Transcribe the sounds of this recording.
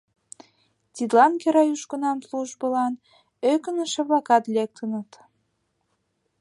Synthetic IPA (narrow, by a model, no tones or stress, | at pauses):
t̪id̪lɑnkeɾɑjuʃkə̆nɑmsluʒbəlɑn | økənə̆ʃeβlɑkɑt̪lʲek̚t̪ʰənə̆t̪